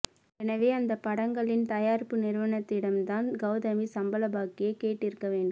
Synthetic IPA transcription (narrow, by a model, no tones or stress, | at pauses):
ɛnɐʋeːɐnd̪ɐpːɐɽɐŋɡɐɭɪnt̪ɐjaːɾpːɯnɪɾʋɐnɐt̪ːɪɽɐmt̪aːnɡɐʊðɐmisɐmbɐlɐbaːkːɪjɐkeːʈːɪɾɯkːɐʋeːɳɖɯ